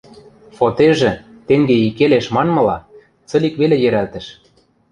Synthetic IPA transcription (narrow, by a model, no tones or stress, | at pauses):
fot̪eʒĕ | t̪eŋɡeikeleʃmɑnmɤ̆lɑ | t͡sɤ̆likβelejɘ̆ɾælt̪ə̆ʃ